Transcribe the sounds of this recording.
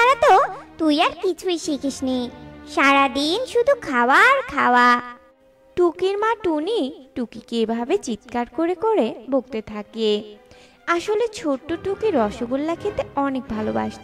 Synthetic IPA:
aɾat̪ot̪ujaɾkit͡ɕʰuiʃikʰiʃniʃaɾad̪inʃud̪ʱukʰawaɾkʰawa | ʈukiɾmaʈuniʈukikeebʱabet͡ɕit̪kaɾkoɾekoɾebʱoɡ̚t̪et̪ʰake | aʃolet͡ɕʰoʈːoʈukiɾɔʃoɡolːakʰet̪eɔnek̚bʱaloba̰ʃt̪

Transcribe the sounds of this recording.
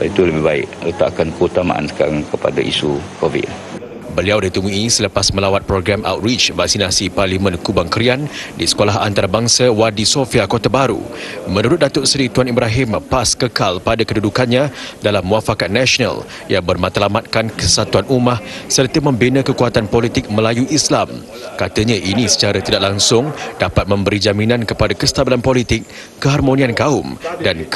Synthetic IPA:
it̪uləbɪhbaɪ̰ʔət̪a̰ʔkankəut̪ama̰ʔa̰nsə̥ka̰ɾaŋkəpa̰da̰ʔḭsukovḭt̚ | bəliawdit̪əmũisələpasmə̃lawat̪̚pɾoɡɾama̰wt̪̚rit͡ʃvak̚sinasiparlimə̃nkubaŋkəɾiandisə̥kolaɦa̰nt̪aɾabaŋsawadisofiakot̪abaɾṵ | mənuɾʊt̪̚dat̪ʊʔsɾit̪uanibɾaɦɪmpaskəkalpadakədudukanɲãdalamːuafakat̪̚nasona̰l | jaŋbərmat̪alamat̪̚kankəsat̪uanumahsərt̪əmə̃mbinə̃kəkuat̪anpolit̪ɪk̚məlajuʔislam | kat̪əɲaʔinisə̥t͡ʃaɾat̪idaʔ̚laŋsʊŋdapat̪̚mə̃mbəɾid͡ʒamĩnãnkəpadakəst̪abilanpolit̪ɪkː | əɦarmoniankaʊmdan

